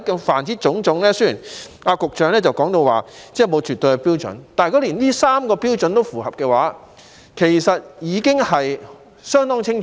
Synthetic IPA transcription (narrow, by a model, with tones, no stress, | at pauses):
kːfaː˨˩nt͡siː˨˥t͡sʊ˨˥ŋt͡sʊ˨˥ŋlɛː˥sjiː˨˩n | aː˧kʊ˨k̚t͡ʃœː˨˧ŋlɛː˥t͡sɐ˨wkɔː˨˥ŋt̪o˧waː˨˩t͡sɛː˥mo˨˧wt͡ʃyː˨t̪ːo˧jkɛ˧piː˥wt͡sɵ̰˨˥nt̪aː˨jkɔː˨˥liː˨˩nliː˥saː˥mkɔː˧piː˥wt͡sɔ˨˥nt̪o˥wfuː˨˩hɐ˨p̚kɛː˧waː˨˥ | kʰe˨˩jsɐ˨t̚jiː˨˧kɪ˥ŋhɐ˨j | sœː˥ŋt̪ɔː˥ŋt͡sʰɪ˥ŋt͡ʃʰ